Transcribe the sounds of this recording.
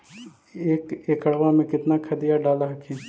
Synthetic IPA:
eːkeːkɐɽ̤ʋamẽkɪt̪nakʰɐd̪ijaɖaːlaɦkʰẽ

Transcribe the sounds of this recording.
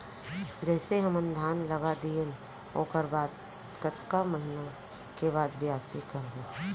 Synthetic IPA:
d͡ʒɛːseɦəmə̃nd̪ʱaːnləɡad̪iẽn | o̰ːkəɾbaːd̪ | kət̪kaməɦɪna | keβaːd̪bʱijaːsikəɾe

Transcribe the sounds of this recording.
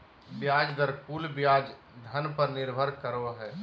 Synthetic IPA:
bjaːd͡ʒd̪əɾkuːlbjaːd͡ʒ | d̪ʱənpəɾnɪɾbʱəɾkəɾoɦɛː

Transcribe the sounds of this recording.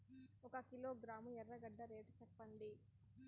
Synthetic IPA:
ɔkɐkilo̞ːɡɾaːmuɛrːɐɡɐɖːɐɾe̞ːʈt͡ʃɛpːɐnd̪i

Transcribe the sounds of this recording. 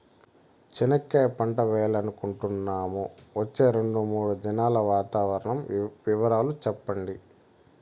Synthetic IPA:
t͡ʃinɐkːeːpɐɳʈɐʋɛːlɐnukuɳʈunːaːmuʋɐt͡ʃːe̞ːɾe̞ɳɖumuːɽud͡ʒɐnaːlɐʋaːt̪aːʋɐɾɐɳɐmʋiʋɐɾaːlut͡ʃɛpːɐɳɖi

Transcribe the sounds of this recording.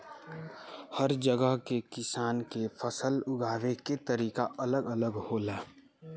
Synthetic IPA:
həɾd͡ʒəɡəɦkekɪsaːnkefʰəsəlʊɡʱaːʋeket̪əɾiːkaɐləɡələɡhoːlaː

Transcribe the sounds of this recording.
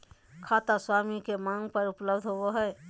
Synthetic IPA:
kʰat̪aswamikemãŋɡpəɾupləbd̪ʱɦobɔɦəj

